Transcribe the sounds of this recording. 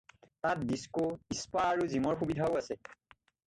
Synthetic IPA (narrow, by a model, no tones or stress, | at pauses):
tat̚diskoispaːɹuzimɔɹxubidʱaʊasɛ